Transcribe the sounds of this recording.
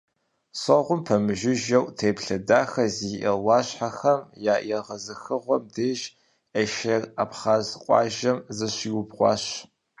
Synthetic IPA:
sɐʁʷʊmpʰɐmɨʒɪʒɐwtʰeːpɬɐdaːxɐziʔɐwɑːɕħaxɐmjaːjɛʁɐzɨxɨʁʷɔmdeːʒ | ɐʃɐraːpχaːzqʷʼɑ̰ːʒɐmzɨɕiːwʊbʁʷɑ̰ːɕ

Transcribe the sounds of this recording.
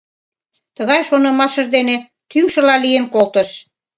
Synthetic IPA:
t̪əɣɑjʃonə̆mɑʃə̆ʒd̪ene | t̪yŋʃə̆lɑlijenkolt̪əʃ

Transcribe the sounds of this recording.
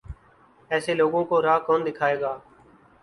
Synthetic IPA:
ɛːseːloːɡõːkoːɾaːkoːnd̪ɪkʰaːeːɡaː

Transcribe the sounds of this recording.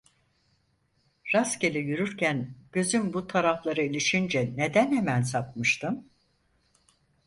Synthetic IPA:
ɾascelʲijyɾyɾcʰænɟ̥ø̞zymbut̪ʰaɾaflˠaɾɯilʲiʃind͡ʒɛne̞d̪ænhemænsapmɯʃt̪ʰɯm

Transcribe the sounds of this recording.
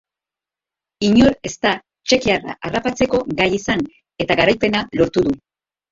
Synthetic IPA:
iɲo̞ɾe̞st̪a | t͡ʃe̞kiara̰ʔarapat͡se̞ko̞ɡajisaŋ | e̞t̪aɣaɾajpe̞nalo̞ɾt̪uðu

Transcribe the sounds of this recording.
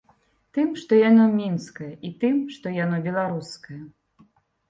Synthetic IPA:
t̪ɨmʂt̪ɔjanɔmʲinskɐjɐʔit̪ɨmʂt̪ɔjanɔbʲɛlˠaɾuskɐjɐ

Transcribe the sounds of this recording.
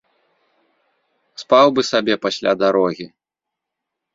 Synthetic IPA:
spawbɨsabʲɛpasʲlʲad̪aɾɔɣʲi

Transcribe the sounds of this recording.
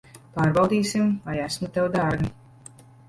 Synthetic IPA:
paːɾbawˠd̪iːsimvajæsmut̪ɛwd̪aːɾɡ

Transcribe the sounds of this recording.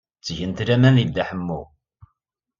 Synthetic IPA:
t͡sːʝənt̪ɾæmænid̪ːæħəmːṵ

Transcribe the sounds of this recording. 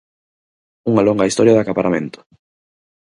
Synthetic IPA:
uŋɐloŋɡɐist̪ɔɾjɐðakapaɾamẽnt̪ʊ̥

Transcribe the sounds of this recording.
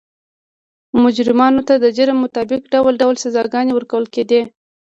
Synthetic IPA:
mʊd͡ʒɾɪmɑnot̪ad̪əd͡ʒəɾəmːʊt̪ɑbɪkɖawəlɖawlsazɑɡɑnewəɾkawəlked̪e

